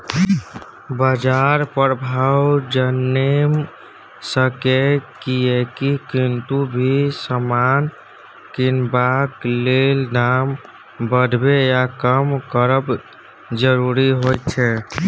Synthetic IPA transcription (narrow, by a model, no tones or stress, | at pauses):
bəd͡ʒaɾpəɾbʱawd͡ʒənːem | səkekiekikint̪ubʱisəman | kinbaklelnam | bəd̪ʱbejakəmkəɾəb | d͡ʒəɾuɾiɦojt̪t͡ʃʰɛ